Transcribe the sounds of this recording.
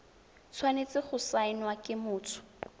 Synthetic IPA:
t͡sʰwanet͡sɪχʊsaɪnwakʼɪmʊːt͡sʰʊ̥

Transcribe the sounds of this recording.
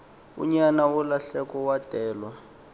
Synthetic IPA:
ṵɲanawɔlaɬɛkɔwatʼɛːlwa

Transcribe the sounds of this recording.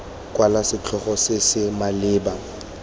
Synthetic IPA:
kʼwalasɪt͡ɬʰɔχɔsɪsɪmalɪːba

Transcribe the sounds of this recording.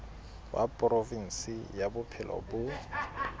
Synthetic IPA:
wa̰pʼrovin̩sɪjabʊpʰɪlɔ̰bʊ

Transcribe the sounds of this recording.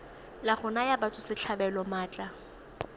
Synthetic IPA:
laχʊnajabat͡sʼʊsɪt͡ɬʰabɛlɔmaːt͡ɬʼa

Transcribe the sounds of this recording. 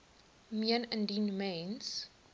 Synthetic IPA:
miənə̃ndinmẽns

